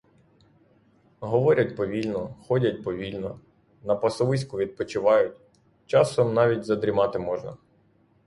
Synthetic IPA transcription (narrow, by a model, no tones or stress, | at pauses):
ɦɔʋɔɾʲɐtʲpɔʋʲilʲnɔxɔdʲɐt̚ʲpɔʋʲilʲnɔ | nɐpɐsɔʋɪs̬ʲkʊʋʲid̪̚pɔt͡ʃɪʋɑjʊtʲ | t͡ʃɑsɔmnɑʋʲitʲzɐd̪ɾʲimɑt̪ɪmɔʒnɐ̰